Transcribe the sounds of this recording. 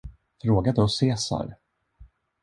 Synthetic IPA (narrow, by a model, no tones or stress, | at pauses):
fɾoːɡad̪əɔseːsa̰ɾ